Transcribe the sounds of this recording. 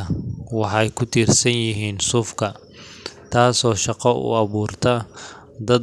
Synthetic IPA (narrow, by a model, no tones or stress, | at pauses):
ɐwɑħɑjkʰʊt̪ʰiːrsɐnjɪɦiːnsʊfkʰɐ | t̪ʰaːsɔːʃɑqɔʊ̰ɑβuːrt̪ʰɐ | d̪ɐd̪